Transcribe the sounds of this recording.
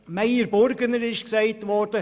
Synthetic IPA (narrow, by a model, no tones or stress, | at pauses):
mæɪəɾbɔɾɡənəɾɪʃksɛɪtʋɔːɾd̥ə